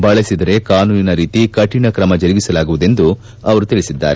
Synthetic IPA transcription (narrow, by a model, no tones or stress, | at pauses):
bɐɭesid̪ɐɾe̞kaːnuːninɐɾiːt̪ikɐʈinɐkɾɐmɐd͡ʒɐɾiɡisɐlaːɡuʋud̪e̞nd̪u | ɐʋɐɾut̪iɭisid̪ːa̰ːɾe